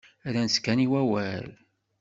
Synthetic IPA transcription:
æɾænskːæniwæwæl

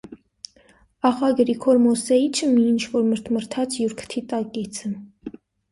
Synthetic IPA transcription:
ɑχɑɡəɾikʰɔɾmɔsɛit͡ʃʰəmiːnt͡ʃʰvɔɾməɾt̪ʰməɾt̪ʰɑt͡sʰjuɾkʰt̪ʰit̪ɑkit͡sʰə

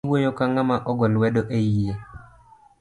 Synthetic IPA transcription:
wojokaŋamaʔɔɡɔlwɛdoʔeje

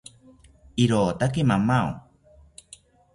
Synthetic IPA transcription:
iɾoːt̪ak̬emamao̰

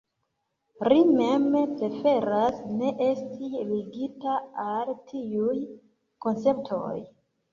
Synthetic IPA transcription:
ɾime̞mpɾe̞fe̞ɾasne̞ʔe̞stʰiliɡitaaltʰiuj | ko̞nt͡se̞p̚tʰo̞̰j

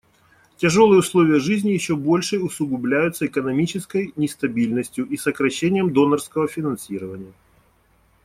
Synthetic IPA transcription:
tʲɐʐo̞lˠɨjəʊslˠo̞vʲɪjəʐɨzʲnʲɪjɪɕːobo̞lʲʂɨʊsʊɡʊblʲæjʊt̪səɪkənɐmʲit͡ɕɪskəjnʲɪst̪ɐbʲilʲnəsʲtʲjʊʔisəkɾɐɕːenʲɪjəmd̪o̞nərskəvəfʲɪnɐnsʲiɾəvənʲɪjə

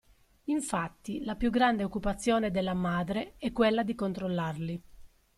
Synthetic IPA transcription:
iɱfat̪ːilapjuɡɾand̪eokːupat̪sːjɔːned̪elːamaːd̪ɾeɛkːwelːad̪ikont̪ɾolːarli

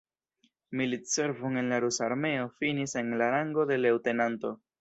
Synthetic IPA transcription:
militse̞ɾvoŋe̞nlaɾusaɾme̞o̞finise̞nlaɾaŋɡo̞de̞le̞wte̞nanto̞

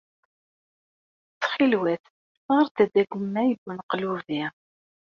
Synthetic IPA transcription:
t͡sːχilwæθ | ʁəɾt̪əd̪æɡəmːæjəɡənqluvi

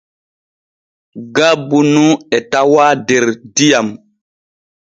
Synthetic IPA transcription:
ɡabunuɛtawadeɾdijam

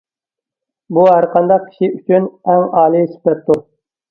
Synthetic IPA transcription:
buɦæɾqʰɑnd̪ɑq̚kʲʰi̥ʃiyt͡ʃʰynɛŋɑːlˠɨsi̥pɛp̚t̪u

